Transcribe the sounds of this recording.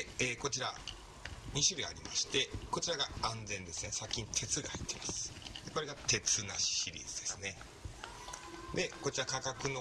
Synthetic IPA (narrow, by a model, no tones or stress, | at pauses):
eːko̞t͡ɕiɾa | ɲ̟iɕɨɾiɡa̰ːɾʲima̰ɕi̥t̪e̞ko̞t͡ɕiɾaɡaãnd͡zẽ̞nd̪e̞sɨne̞sakʲĩɲ̟t̪ʰe̞t͡sɨɡahait̪ʰːe̞̥masɨ̥j̪akoaɾeɡat̪e̞t͡sɨna̰ɕiɾʲḭːzɨd̪e̞sɨne̞ | d̪e̞ko̞t͡ɕiɾakakakɯ̟no̞